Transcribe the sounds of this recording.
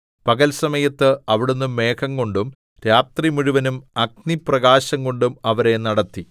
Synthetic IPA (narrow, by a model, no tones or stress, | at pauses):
pɐɡɐlsɐmɐjɐt̪ːɨɐʋiɽenːumːe̞ːkʰɐŋɡo̞ɳɖum | ɾaːt̪rimuɻuʋɐnumɐɡ̚niprɐɣaːɕɐŋko̞ɳɖumɐʋɐɾe̞nɐɽɐt̪ːi